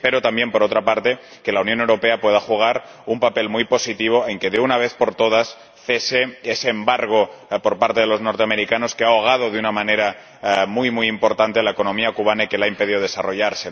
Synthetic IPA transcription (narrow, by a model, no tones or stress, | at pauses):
peɾot̪ambje̞mpoɾot̪ɾapaɾt̪e̞ | ke̞launjonewɾo̞peapwe̞ð̞axuɣ̞aɾ | umpape̞lmujpo̞sit̪iβ̞oe̞ŋke̞ðeunaβ̞e̞θpo̞ɾt̪oð̞as | θeseeseːmbaɾɣopoɾpaɾt̪eðelo̞zno̞ɾt̪eame̞ɾikano̞skeaoɣ̞að̞oðeunamãneɾa | mujmujimpo̞ɾt̪ant̪ealaeko̞nõ̞miakuβ̞anaikelaimpeðioðe̞saro̞ʎaɾse